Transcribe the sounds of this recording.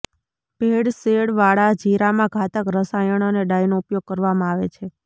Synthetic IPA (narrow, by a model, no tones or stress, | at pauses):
bʱeɽseɽʋaɭad͡ʒiɾamãɡʱat̪əkɾəsajəɳ̃oneɖajnoupjoɡ̚kəɾʋamãaʋḛt͡ʃʰe